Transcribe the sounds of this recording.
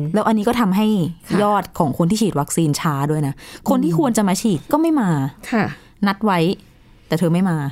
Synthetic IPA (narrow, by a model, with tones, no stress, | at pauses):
lɛː˦˥wʔa˧nːiː˦˥kɔː˥˩t̪ʰa˧mɦa˥˩jʰjɔː˥˩t̪̚kʰɔː˩˦ŋkʰo˧nt̪ʰiː˥˩t͡ɕʰiː˨˩t̪̚wa˦˥k̚siː˧nt͡ɕʰaː˦˥du˥˩əjna˦˥kʰo˧nt̪ʰiː˥˩kʰu˧ənt͡ɕa˧˨maː˧t͡ɕʰiː˨˩t̪̚kɔː˥˩ma˥˩jmaː˧kʰa˥˩ | na˦˥t̪̚wa˦˥j | t̪ɛː˨˩t̪ʰɤː˧ma˥˩jmaː˧